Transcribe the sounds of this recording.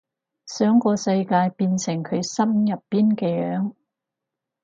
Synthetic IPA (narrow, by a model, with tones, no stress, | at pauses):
sœː˨˥ŋkɔː˧sɐ˧jkaː˧jpiː˧nsɪ˨˩ŋkʰɵ˨˧ɥsɐ˥mjɐ˨pːiː˥nkɛː˧jœː˨˧˥ŋ